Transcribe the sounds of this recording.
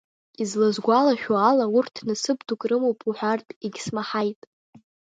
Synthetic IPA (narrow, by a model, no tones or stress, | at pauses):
izlazɡʷalaʃᶣoalaurtʰnɨsɨbdʰukʼrɨmowpʼuħʷᶣartʼiɡʲsmaħajtʼ